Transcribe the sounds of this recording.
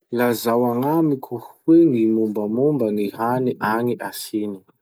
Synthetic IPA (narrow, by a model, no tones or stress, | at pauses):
lazawaŋamikʲʰuhwenimumbamumbanihaniʔaŋiʔasini̥